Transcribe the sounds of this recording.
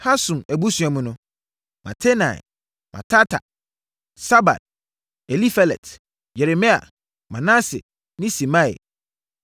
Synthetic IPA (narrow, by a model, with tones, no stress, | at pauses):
ha˦sũ˨mæ˨bu˦sũ˨a˨mʊ̃˨nʊ̃˦ | ma̰˨tʰe˦nã̰˨ɛ̰˨ | mʔã̰˨tʰa˦tʰa̰˨ | sa˦ba̰˨d̚ | ɛ˨li˦fa˨lɛ̰˨t | jɛ˨ɾe˨mĩ˦a̰˨ | mã˨nã˦sɪ̰˨ | nɪ̃˦si˨mã˦ɪ̰˨